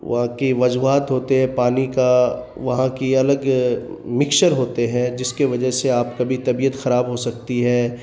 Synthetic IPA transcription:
ʋɐ̰ɦãkiʋɐd͡ʒuaːt̪ɦoːt̪eɦɛ̃paːnika | ʋɐɦãkiɐləɡ | mɪkʃəɾɦoːt̪eɦɛ̃d͡ʒɪskeʋɐd͡ʒəɦseaːp̚kɐbʱit̪ɐbiːət̪xɐɾaːbɦosɐk̚t̪iɦɛː

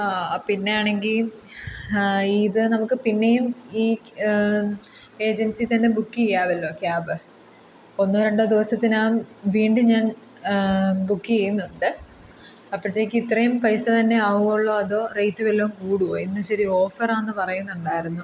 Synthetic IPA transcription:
apinːe̞jaːɳe̞ŋɡil | iðɨnɐmukːɨpinːe̞jumiː | e̞ːd͡ʑensit̪ɐnde̞bukːikejːaːʋɐlːo̞ːkjaːbɨ | o̞nːoɾeɳɖɐd̪iʋɐsɐt̪ːinaːmʋiːɳɖuɲaːn | bukːikejunːuɳɖɨ | ɐpːɐɐt̪ːeːkʲːɨit̪rɐjumpɐjsɐt̪ɐnːe̞aːʋuɣuɭːo̞ːɐðo̞ːrejtːuʋelːoːmkuːɽuʋo̰ːenːɐɕɐɾio̞ːfɐraːnːɨpɐrɐjunːuɳɖaːjiɾunːu

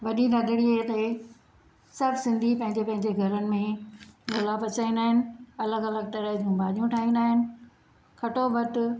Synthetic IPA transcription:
ʋɐɗiɾɐɡɪɽiɦet̪e | sɐɾbsɪ̃nd̪ʱipɐ̃ɦɪ̃ɲd͡ʑepɐ̃ɦɪ̃ɲd͡ʑeɡʱɐɾənɪ̆mẽɡolapɐt͡ɕaːĩnd̪aːɦɪnɪ̆ɐləɡɐləɡ̚t̪ɐɾəɦd͡ʑũːbaːʄjũʈʰaːɦĩːn̆d̪aːɦɪnɪ̆ | kʰɐʈobɐʈ

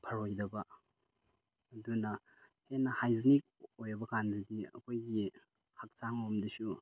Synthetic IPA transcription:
pʰɐɾojdɐbɐ | ɐdunɐ | henːɐhajznik̚ojɐbɐkandɐdiɐ̰kʰojɡi | hak̚t͡ʃaŋomdisu

